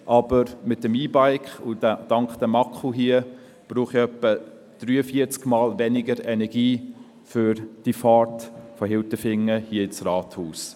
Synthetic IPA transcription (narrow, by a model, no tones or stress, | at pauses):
ʔɑb̥əɾmɪt̚ːəmiːbaɪkχʊdd̥ɑŋkχd̥̪əmɑkχuɦiə | b̥ɾuːχiœpːə | d̥ɾyːəfiət͡skmɑːlvɛnɪɡəɾɛnɛɡ̥iː | fʏɾd̥ifɑːɹtfɔɦɪltəfɪŋːəhiəɪt͡srɑːthuːs